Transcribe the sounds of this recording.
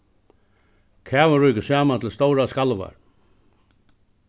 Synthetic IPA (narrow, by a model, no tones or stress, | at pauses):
kʰæːʋaɾujkəsaːmant̪ʰɪlst̪ɔwɾaskalʋa̰ɹ